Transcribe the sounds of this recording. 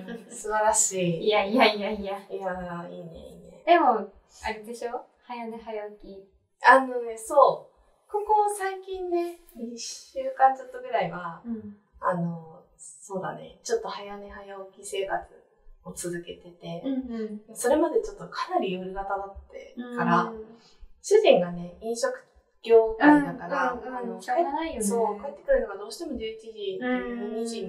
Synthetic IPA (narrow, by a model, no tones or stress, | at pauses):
sɨbaɾaɕiːjaiaaajaiːnḛiːnḛd̪e̞mo̞ | aɾed̪eɕoː | hajaneɦajaokʲi | ano̞ne̞so̞ː | ko̞ko̞saikʲĩnːe̞ɲiɕɨːkãnzot̪ːo̞ɡɯ̟ɾaiβa | ano̞ | so̞ːd̪a̰ne̞̰t͡ɕo̞t̪ːo̞hajanehajaokʲise̞ːkat͡sɨ̥ | o̞t͡sɨzɨke̞t̪e̞t̪e̞mso̞ɾe̞mad̪e̞t͡ɕo̞t̪ːo̞kʰanaɾʲijɯɾɯ̟ɡat̪ad̪at̪ːe̞̰kaɾa | ɕɨʑĩŋɡane̞ĩɰ̃ɕokɯ̟̥ | kʲo̞ːɡad̪akaɾanoaeaiso̞ːkaet̪ːe̞kɯ̟ɾɯnoɡad̪o̞ːɕi̥t̪e̞mo̞d̪ɯt̪ʲiːdinoɲiʑi